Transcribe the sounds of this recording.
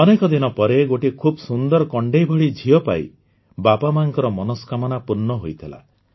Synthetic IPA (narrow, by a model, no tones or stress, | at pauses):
ɔnekɔd̪inɔpɔɾeɡoʈikʰubɔsund̪ɔɾɔkɔɳɖejbʱɔɭid͡ʒʱiɔpa̰j | babamaŋkɔɾɔmɔnɔskʰamɔnapuɾnːɔɦojt̪ʰila̰